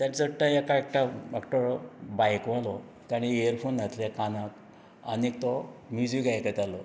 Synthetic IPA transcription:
t̪jant͡səʈaekaek̚ʈaakʈɔɾbajkʋalɔ | t̪aɽ̃iejəɾfonːat̪lakanak | a̰nik̚t̪ɔmjud͡zikajkət̪alɔ

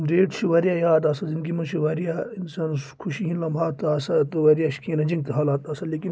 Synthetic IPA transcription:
ɾeːʈʃʰiʋɐɾʲjaːjaːd̪aːsɐzinɡimɐnʃʰiʋɐɾijaːinsaːnskʰuʃiɦĩnlɐmbʱaːt̪aːsɐt̪ɨʋɐɾijaʃi̥kʰĩːnɐd͡ʒiŋɡt̪ɨɦalaːt̪aːsɐleːkin

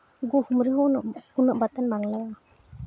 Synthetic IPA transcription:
ɡuhumɾiɦɔnunɯʔbatanbaŋlaw

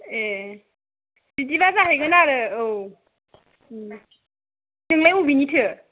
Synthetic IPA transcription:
e | ditibazaɦajɡɯnaɾɯɯw | tʰɯŋlajubinitʰɯ

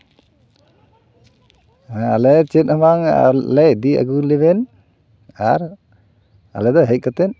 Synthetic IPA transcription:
alɛt͡ʃɛt̪̚ˀamaŋ̰lɛʔd̪ia̰ɡulɛβɛn | aɾ | a̰lɛd̪ɔɦɛc̚kat̪ɛn

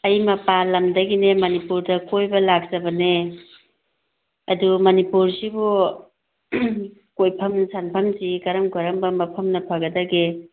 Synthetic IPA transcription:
ɐjmɐpalɐmdɐɡinemɐnipuɾdɐkojbɐlak̚zɐbɐne | ɐdumɐnipuɾsibu | kojpʰɐmnsanpʰɐmsikɐɾɐmkɐɾɐmbɐmɐpʰɐmnɐpʰɐɡɐdɐɡe

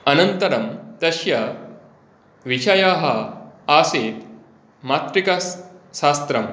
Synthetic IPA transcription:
ɐnɐnt̪ɐɾɐmt̪ɐɕjɐ | ʋiʃʰɐjaːɦɐaːseːt̪ | maːt̪ɾikɐʃaːst̪ɾɐm

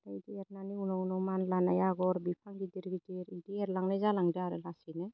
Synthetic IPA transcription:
taidiɛɾnaniunɔunɔwmanlanajaɡɔɾbipʰaŋɡidiɾɡitiɾidiɛɾlaŋnazalaŋdaaɾɯlasinɯ

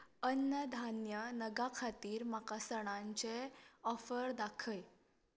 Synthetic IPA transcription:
ənːəd̪ʱanjənəɡakʰat̪iːɾmakasəɽ̃ãɲt͡ɕeɔfəɾd̪akʰəj

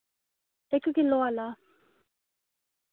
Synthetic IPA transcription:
ɛkukilɔala

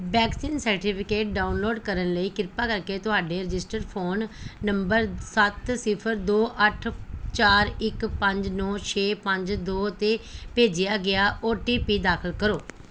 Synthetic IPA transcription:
bɛːksiːnsəɾʈɪpʰɪkeːʈ̚ɖaːʊnloːɖkəɾənləiːkɪɾpaːkəɾkeːt̪ʊɦaːɖeːɾɪd͡ʒɪsʈəɾpʰoːnːəmbəɾsət̪sɪpʰəɾd̪oːʔəʈʰt͡ʃaːɾɪkpə̃ɲd͡ʒnɔ̃ːt͡ʃʰeːpə̃ɲd͡ʒd̪oːt̪eːpeːd͡ʒɪjaːɡɪaːʔoːʈiːpiːd̪aːkʰəlkəɾoː

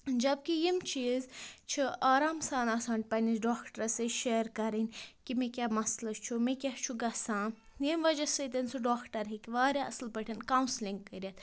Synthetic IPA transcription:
d͡ʒɐb̚kijimt͡ʃiːzt͡ʃʰiaːɾaːmsaːnaːsaːɳʈ̚pɐnisɖoːkʈɾɐseʃeːɾkɐɾinʲkimẽkʲaːmɐslɐt͡ʃʰumẽkʲat͡ʃʰuɡɐsãːjimʋɐd͡ʒɐsɐt̪ɐnsʰuɖoːkʈɐɾɦikʋaːɾʲjaɐslpɐʈʰɐnkaːwnsliŋɡkːɐɾʲjat̪

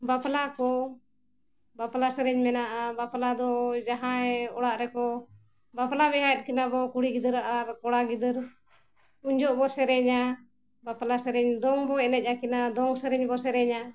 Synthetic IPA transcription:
baplakɔ | baplasɛɾɛɲmɛnaʔabaplad̪ɔd͡ʒaɦãɛɔɽaʔɾɛkɔ | baplabɛɦat̪̚kinabɔkuɽiɡid̪əɾaʔaɾkɔɽaɡid̪əɾ | uɲd͡ʒɔʔbɔsɛɾɛɲa | baplasɛɾɛɲd̪ɔŋbɔɛnɛc̚ˀakinad̪ɔŋsɛɾɛɲbɔsɛɾɛɲa

